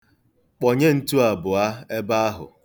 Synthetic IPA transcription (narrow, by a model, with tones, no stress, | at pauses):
k͡pɔ˨ɲe˦n̩˦tu˦a˨bʊ˨a˦e˦ba˦a˦ɦʊ̰˨